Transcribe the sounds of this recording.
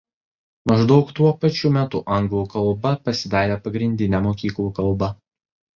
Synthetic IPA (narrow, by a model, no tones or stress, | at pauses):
mɐʒd̪ɒʊkt̪uɔpɐt͡ʃʲuːmʲæːt̪ʊʔɐŋɡlˠuːkɐlˠˑbɐpɐsʲɪd̪ɑːɾʲeːpɐɡɾʲɪnʲd̪ʲɪnʲɛmoːkʲiːklˠuːkɐlˠbɐ